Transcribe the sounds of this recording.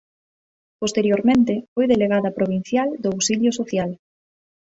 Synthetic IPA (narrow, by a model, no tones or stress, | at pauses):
post̪eɾjoɾmẽnt̪ɪfojðeleɣaðɐpɾoβin̟θjald̪oawsiʎjosoθjal